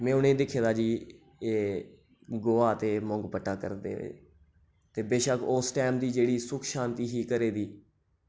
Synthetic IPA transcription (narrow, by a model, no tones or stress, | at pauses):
mɛ̃ːʊnẽːd̪ɪkʰeːd̪aːd͡ʒiː | eː | ɡoːaːt̪eːmʊ̃ŋɡpəʈːaːkə̰ɾd̪ḛːḛː | t̪eːbeːʃəkʰoːsʈɛːmd̪iːd͡ʒeːɽiːsʊkʰʃãːnt̪iːɦiːkəɾeːd̪iː